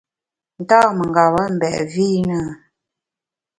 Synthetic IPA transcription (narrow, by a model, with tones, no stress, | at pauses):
n̩˨taː˦mə˨ŋ˨ɡa˨βə˦m̩˨bɛ̰˨ʔviː˦nə˦